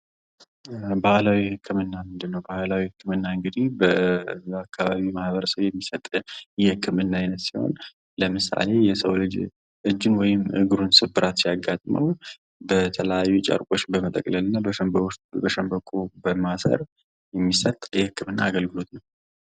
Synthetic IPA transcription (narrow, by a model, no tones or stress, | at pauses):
bahlawihɨkʰːɨmɨnːamɨnd̪ɨnːəwbahlawihɨkːɨmɨnːaɨŋɡɨd̪ihbəakʰːaβaβimahβəɾəsəwjɛmːisət̪ʼjɛhɨkːɨmɨnːajɪnət̪siho̰n | ləmɨsa̰le̞jɛsəwlɨd͡ʒ | ʔɨd͡ʒːɨnwɔjɪmʔɨɡɨɾunsɨbːɨɾʔat̪sijaɡːat̪ʼmʔə̰w | bət̪ʰələjajːut͡ʃʼə̰ɾkʷʼo̞t͡ʃːbəmət̪ʼə̰kʼləlɨnːabəbəʃəmbəkʼubəmasə̰ɾ | jɛmːisət̪ʼjɛhɨkːɨmɨnːaːɡəlɡɨlo̞t̪nəw